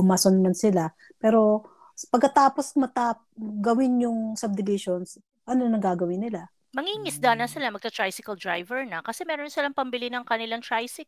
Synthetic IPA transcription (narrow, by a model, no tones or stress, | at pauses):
ʊmasonmɐnsɪla | pɛːɾo̞ | pɐɡkːɐt̪aːpo̞smɐt̪apɡɐwɪnjʊŋsɐb̚d̪ɪlɪʃons | ʔɐno̞nɐŋɡaːɡɐwɪnːɪla | mɐŋiŋɪsd̪anɐsɪlamɐɡ̚t̪ɐt̪ɹajsɪkɐld̪ɹajvɛɹnɐkɐsɛmɛːɾonsɪlaŋpɐmbɪlinɐŋkɐnɪlaŋt̪ɹajsɪk